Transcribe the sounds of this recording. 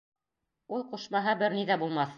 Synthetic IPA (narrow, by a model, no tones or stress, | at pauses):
ulˠqŭʃmɑɦɤbɘɾniðæbulˠmɑθ